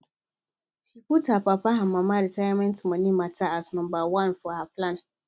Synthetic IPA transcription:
sikutʰapapʰaɦamãmãɾitʰajamɛ̃ntmãnĩmãtʰaasnʊ̃mbawãnfʊahapʰlãn

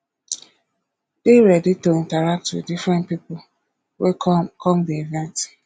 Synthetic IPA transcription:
d̥eɾɛdɪtuĩntaɾak̚tṵdifɾɛ̃nt̚pipʊ | wekʰɔmdievɛ̃nt

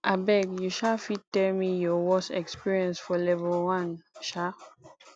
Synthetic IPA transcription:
ʔabɛɡjuʃafittːɛlmijɔwɔsɛkspiɹiɛ̃nsfɔlɛvɛlwãnʃa

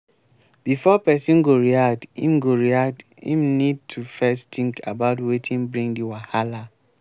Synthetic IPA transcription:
b̥ifɔpɛsĩnɡoɹiak̚d̥ḭ̃mɡoɹiak̚d | ḭ̃mnid̚tʰufɛstĩŋkʰa̰baʊtwetʰĩŋbɹĩŋdiwahala

